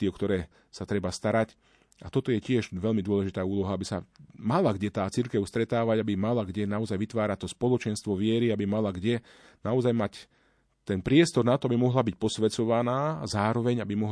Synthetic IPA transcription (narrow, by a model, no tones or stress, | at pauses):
iɔkt̪ɔɾɛː | sat̪ɾɛbast̪aɾac | at̪ɔt̪ɔjɛcɪɛʒʋɛʎmid̪ʊɔlɛʒit̪aːuːlɔɦaabisa̰malaɡɟɛt̪aːt͡siɾkɛʊst̪ɾɛt̪aːʋaɟabimalaɡɟɛnaɔzajʋit̪ʋaːɾat̪ɔspɔlɔt͡ʃɛnst̪ʋɔʋɪɛɾiabimalaɡɟɛ | naɔzajmac | t̪ɛnpɾɪɛst̪ɔɾnat̪ɔabimɔɦlabic̚pɔsʋɛt͡sɔʋanaːzaːɾɔʋɛɲabimɔɦ